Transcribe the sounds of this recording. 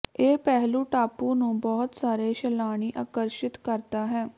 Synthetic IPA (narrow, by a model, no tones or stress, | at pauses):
eːpɛɦlũːʈaːpũːnũːbɔːt̪saːɾeːʃɛlaːɽ̃iːʔaːkəɾʃɪt̪kəɾt̪aːɦɛː